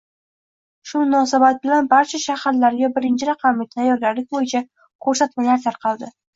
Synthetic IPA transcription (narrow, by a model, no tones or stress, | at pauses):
ʃʊmʊnɒsabat̪̚bɪlanbaɾt͡ʃʰaʃahaɾlaɾɡʲabɪɾɪnt͡ʃʰɪɾɑqʰɑmːɪt̪ʰajɒɾɡʲaɾlɪk̚ʲbojɪt͡ʃʰa | kʰɵɾsat̪malaɾt̪ʰaɾqʰɑlˠd̪ɪ